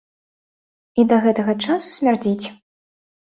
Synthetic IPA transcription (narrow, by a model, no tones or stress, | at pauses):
id̪ɐɣɛt̪ɐɣɐt͡ʂasu̥sʲmʲard͡zʲit͡sʲ